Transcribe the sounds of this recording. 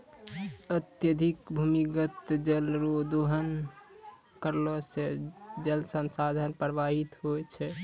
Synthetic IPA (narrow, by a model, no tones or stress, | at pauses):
ət̪jəd̪ʱikbʱumiɡət̪d͡ʒəlɾod̪oɦən | kəɾlosed͡ʒəlsənsad̪ʱənpɾəbaɦit̪ɦoɛt͡ʃʰɛ